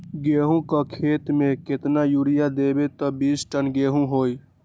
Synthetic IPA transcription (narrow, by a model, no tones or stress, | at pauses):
ɡeːɦũkakʰeːt̪mẽkɪt̪najuːɾɪjad̪eːbet̪ɔbiːsʈənɡeːɦũɦoːi